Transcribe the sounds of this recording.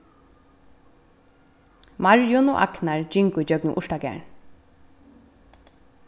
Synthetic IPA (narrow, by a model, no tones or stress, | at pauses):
maɹjʊnɔ̰ːʔa̰knaɹd͡ʒɪŋkʊd͡ʒœɡnɪʔʊʂʈaɡɛ̰ɳ